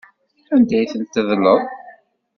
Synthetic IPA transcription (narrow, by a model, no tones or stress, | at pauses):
ænd̪æjθənt̪ːðlːəðˤ